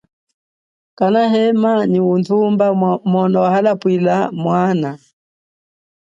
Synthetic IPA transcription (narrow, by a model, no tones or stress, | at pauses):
kanaɦɛmaniuntʰumbamɔnɔwahalapwilamwana